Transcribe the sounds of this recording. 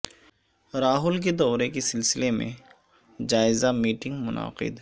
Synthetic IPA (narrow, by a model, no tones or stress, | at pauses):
ɾaːɦʊlk̬ed̪ɔːɾekesɪlsɪlemḛ̃ | d͡ʒaːɪzamiːʈɪ̃ŋɡmʊna̰ːqɪ̰d̪